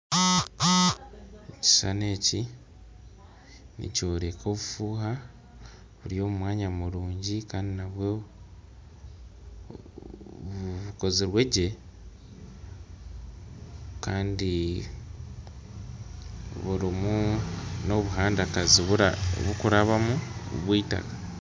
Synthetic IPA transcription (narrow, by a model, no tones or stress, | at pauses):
eci̥sane̞ːci | nḭco̞ːɾe̞kʰo̞ːβufuːɦa | βuɾjo̞ːmumwaːɲamuɾuːɲɟikaːndinaβwo | βuko̞ziɾwe̞ɟe̞ | kaːndi | βuɾimuno̞βuɦaːndakaziβuɾa̰βukuɾaβamṵβwiːta̰ka